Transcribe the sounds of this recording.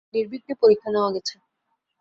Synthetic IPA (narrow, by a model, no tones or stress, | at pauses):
niɾbʱiknepoɾikʰːaneoaɡɛt͡ɕʰe